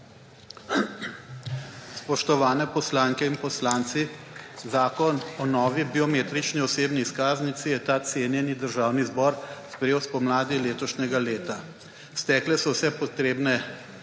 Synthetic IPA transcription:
spɔʃt̪ɔʋaːnɛpɔslaːŋkɛinpɔslaːnt̪sizaːkɔnɔnɔːʋibiɔmeːt̪ɾit͡ʃniɔseːbniːskaːznit̪sijɛt̪aːt̪seːnjɛnid̪əɾʒaːwnizbɔːɾspɾɛjeːwspɔmlaːd̪ileːt̪ɔʃnʲɛɡaleːt̪a | st̪ɛːklɛsɔwsɛpɔt̪ɾeːbnɛ

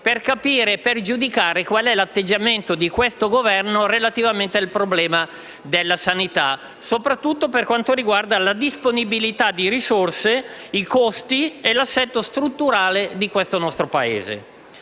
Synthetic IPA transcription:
perkapiːɾeperd͡ʒud̪ikaːɾekwalɛlat̪ːed͡ʒːament̪od̪ikwest̪oɡovɛrnorelat̪ivament̪ealpɾoblɛːma | d̪elːasanit̪a | sopɾat̪ːut̪ːoperkwant̪oɾiɡward̪alad̪isponibilit̪ad̪ːiɾisorseikost̪ielasːɛt̪ːost̪ɾut̪ːuɾaːled̪ikwest̪onɔst̪ɾopaḛːzḛ

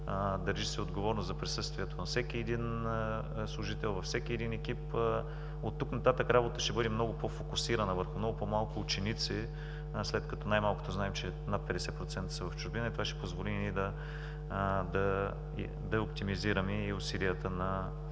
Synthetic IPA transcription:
d̪əɾʒisɛod̪ɡovɔɾnoszɐpɾisɤst̪viɛt̪onɐfsɛkiɛd̪in | slˠʊʒit̪ɛlˠvɐfsɛk̟iɛd̪inɛkip | ot̪ːuknɐt̪at̪əkɾabot̪əʃɛbɤd̪ɛmnɔɡʊpofokʊsiɾɐnəvəɾxʊmnɔɡʊpomalˠkʊːt͡ʃɛnit̪si | slɛt̪kɐt̪ɔnajmalˠkʊ̥t̪oznaɛmt͡ʃɛ | nat̪̚pɛd̪ɛsɛpɾot̪sɛnt̪ə̥sɐvɐft͡ʃʊɾbinəit̪ovaʃɛ̥pozvolinid̪ɐ | d̪ɐ̰ | d̪ɐop̚t̪imiziɾəmiːʊsilijət̪ənɐ

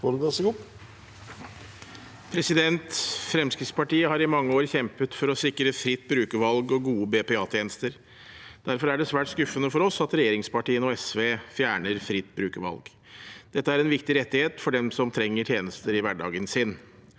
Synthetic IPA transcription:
foɖʉlɑsəɡʊpː | pʰɾɛsɪd̪ɛnt̪fɾɛmskɾɪt̪spɑʈiːəhɑɾɪmɑŋːəoːɾçɛmpət̪fɔɾɔsɪkɾəfɾɪt̪ːbɾʉːkəʋɑlɡɔɡuːəbeːpɛɑːt̪ʰjeːnəst̪əɾ | d̪̥æɾfɔɾæɖɛsʋæːʈskʉfːənəfɔɾɔsɑt̪ɾɛjeːɾɪŋspɑʈiːənɔɛsʋeːfjæːɳəɾfɾɪt̪ːbɾʉːkəʋɑ̰lɡ | d̪̥ɛt̪ːəæɾɛnʋɪkt̪ɪɾɛt̪ːɪheːt̪fɔɖɛmsɔmt̪ʰɾɛŋːəʈʰjeːnəst̪əɾɪʋæɖɑ̰ːɡənsɪn

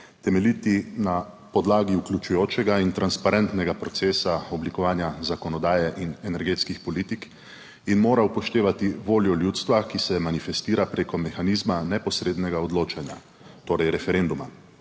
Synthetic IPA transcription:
t̪ɛmɛlit̪ina | pɔd̪laːɡiuklʲjut͡ʃujoːt͡ʃɛɡaint̪ɾanspaɾɛnt̪nɛɡapɾɔt̪seːsaɔblikɔʋaːnjazakɔnɔd̪aːjɛʔinɛnɛɾɡeːt̪skixpɔliːt̪ik | inmoːɾaupɔʃt̪eːʋat̪iʋoːljɔljuːt̪st̪ʋakisɛmanifɛst̪iːɾapɾeːkɔmɛxaniːzmanɛpɔsɾeːd̪nɛɡaɔd̪loːt͡ʃanja̰ | t̪oːɾɛjɾɛfɛɾeːnd̪uma

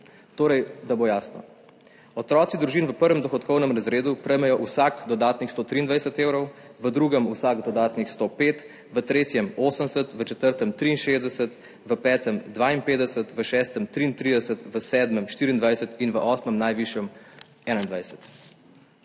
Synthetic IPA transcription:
t̪oːɾɛjd̪abojaːsnɔ̰ | ɔt̪ɾɔːt̪sid̪ɾuʒinʋəpəɾʋɛmd̪ɔxɔt̪kɔwnəmɾazɾeːd̪upɾɛjmɛjɔʔusakd̪ɔd̪aːt̪nixst̪oːt̪ɾiːnd̪ʋajsət̪eːwɾɔwʋəd̪ɾuːɡəmusaːɡd̪ɔd̪aːt̪nixst̪opeːt̪ | ʋət̪ɾeːt̪jɛmoːsənsət̪ʋət͡ʃɛt̪əɾt̪əmt̪ɾiːnʃeːzd̪ɛsət̪ | ʋəpɛːt̪əmd̪ʋaːinpeːd̪ɛsət̪ʋəʃɛst̪əmt̪ɾiːnt̪ɾid̪ɛsət̪ʋəsɛːd̪məmʃt̪iːɾiːnd̪ʋajsət̪inʋəʔɔːsməmnajʋiʃjɛm | ɛːnaind̪ʋajsə̥t̪

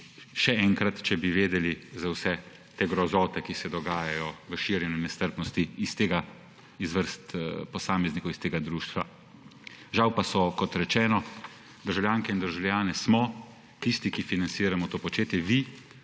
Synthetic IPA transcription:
ʃɛɛːŋkɾat̪t͡ʃɛbiʋeːd̪ɛlizawsɛ | t̪eɡɾɔzɔːt̪ɛkisɛd̪ɔɡaːjajɔʋəʃiːɾjɛnjumɛst̪əɾpnɔst̪iist̪eːɡa | izʋəɾst̪pɔsaːmɛznikowist̪eːɡad̪ɾuːʃt̪ʋa | ʒawpasɔkɔt̪ɾɛt͡ʃɛːnɔ | d̪əɾʒawlʲjaːŋkɛind̪əɾʒawljaːnɛsmɔ | t̪ist̪ikifinansiːɾamɔt̪oːpɔt͡ʃeːt̪jɛʋi

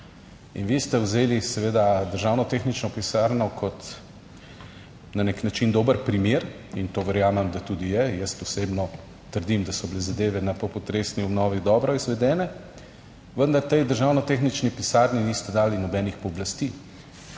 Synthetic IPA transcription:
ḭnʋist̪ɛwzeːlisɛʋeːd̪ad̪əɾʒaːwnɔt̪exnit͡ʃnɔpisaːɾnɔkʰɔt̪ | naneknat͡ʃind̪oːbəɾpɾimeːɾ | int̪oːʋɛɾjaːmɛmd̪at̪uːd̪ijɛjɛst̪ɔsebnɔ | t̪əɾd̪imd̪asɔblɛzad̪eːʋɛnapɔpɔt̪ɾesniɔbnɔːʋid̪ɔːbɾɔizʋɛd̪ɛːnɛ | ʋənd̪aɾt̪ejd̪əɾʒaːwnɔt̪exnit͡ʃnipisaɾninist̪ɛd̪aːlinɔbɛːnixpɔblast̪i

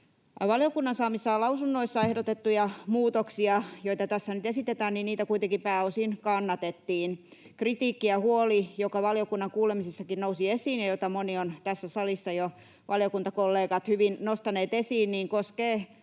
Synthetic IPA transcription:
ʋɑljokunːɑnsɑːmisːɑlɑusunːoisːɑehdot̪et̪ːujɑmuːt̪oksiɑjoit̪ɑt̪æsːænyt̪esit̪et̪æːnninniːt̪ækuijt̪eŋkipæːosinkɑnːɑt̪et̪ːiːn | krit̪iːkːiɑhuolijokɑʋɑlijokunːɑŋkuːlemisesːɑkinnousiesiːnjɑjot̪ɑmoniont̪æsːæsɑlisːɑjo | ʋʔɑlijokunt̪ɑkolːeːɡɑt̪hyʋinnost̪ɑneːt̪esiːnniːŋkoskeː

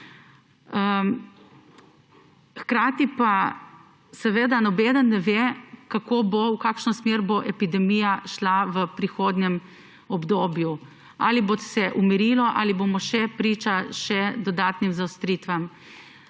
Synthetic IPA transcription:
ə | xkɾaːt̪ipa | sɛʋed̪anɔbeːd̪anːɛʋekakoːbowkaːkʃnɔsmeɾboʔɛpid̪ɛmijaʃlaʋəpɾixoːd̪nʲɛm | ɔbd̪oːbju | a̰ːlibot̪sɛʔumiɾiːlɔʔa̰ːlibomɔʃɛpɾiːt͡ʃaʃɛd̪ɔd̪aːt̪nimzawst̪ɾiːt̪ʋam

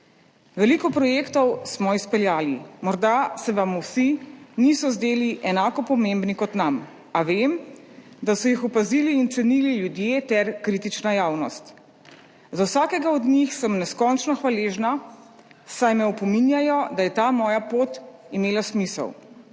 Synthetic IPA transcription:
ʋɛlikɔpɾɔjekt̪ɔwsmɔispɛljaːlimɔɾd̪asɛʋamuwsinisɔzd̪eːliʔɛnaːkɔpɔmembnikɔt̪nam | aʋem | d̪asɔjixɔpaziːliːnt̪sɛnililjud̪jeːt̪ɛɾkɾit̪it͡ʃnajaːwnɔ̰st̪ | zawsaːkɛɡaɔd̪nixsəmnɛskɔnt͡ʃnɔxʋaleːʒna | sajmɛɔpɔminjajɔd̪ajɛt̪aːmɔːjapoːt̪ | imeːlasmisə̰w

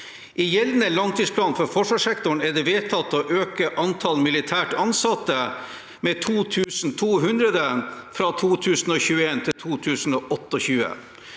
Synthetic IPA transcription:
ʔɪjɛlnəlɑnt̪ʰiːspʰlɑːnfɔɾfɔʂʋɑːʂɛkt̪ʊɳæɖɛʋeːt̪ʰɑt̪ːoːʔøːkəʔɑnt̪ʰɑlmɪlɪt̪ʰæːʈɑnsɑt̪ːə | meːt̪ʰuːt̪ʰʉːsn̩t̪ʰuːɦʉnd̪ɾəd̪əfɾɑt̪ʰuːt̪ʰʉːsn̩oːçʉːəeːnt̪ʰɪlt̪ʰuːt̪ʰʉːsn̩oːʔɔt̪ːəɔçʉːə̰

